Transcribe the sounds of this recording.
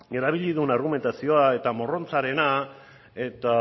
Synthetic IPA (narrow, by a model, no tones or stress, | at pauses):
e̞ɾaβiʎiðunaɾɣ̞ume̞nt̪asio̞ae̞t̪amo̞ro̞nt͡saɾe̞na | e̞t̪a